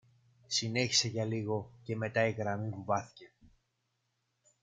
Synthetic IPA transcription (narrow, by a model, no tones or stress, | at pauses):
sine̞çi̥se̞ʝɐliɣo̞ce̞me̞t̪ɐiɣɾɐmipuvɐθi̥ce̞